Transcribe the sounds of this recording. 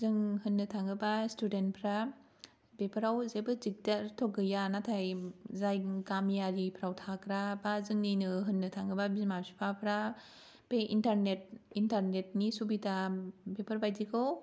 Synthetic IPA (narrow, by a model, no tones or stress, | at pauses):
zɯŋhɯnːɯtʰaŋɡɯbastʰudent̚pʰɾa | bepʰɯɾawzebɯzik̚daɾtʰɔɡɯjanatʰajzajɡamjaɾipʰɾawtʰakɾabazɯŋninɯɦɯnːɯtʰaŋɡɯbabizmasi̥pʰapʰɾa | peʔintaɾnet̚intaɾnet̚nisubitabepʰaɾbajzikʰɯw